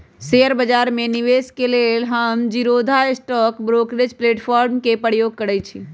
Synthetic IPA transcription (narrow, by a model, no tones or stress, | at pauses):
seəɾbəd͡ʒaɾmeniʋeskelelɦəmd͡ʒiɾod̪ʱaesʈɔkbɾokɾed͡ʒpleʈpʰɔɾmkepəɾjoɡ̚kəɾɛt͡ʃʰi